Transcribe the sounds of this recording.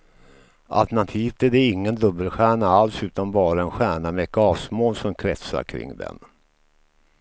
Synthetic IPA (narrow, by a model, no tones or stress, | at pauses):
ʔa̰lt̪ɛɳat̪ʰiːft̪æɖɛɪŋːənd̪ɵbːəlɧæːɳaalsʉ̟ːt̪anbɑːɾaɛnɧæːɳamɛɡɑːsmoːnsɔmkʰɾɛt̪sa̰ɾkʰɾɪ̰ŋːd̪ɛ̰m